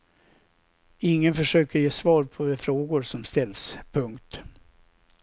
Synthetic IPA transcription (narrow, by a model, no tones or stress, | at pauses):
ɪŋːənfœʂøːkəɾjeːsvɑːɾpʰɔd̪ɛfɾoːɡʊɾsɔmst̪ɛlːspʰɵŋkt̪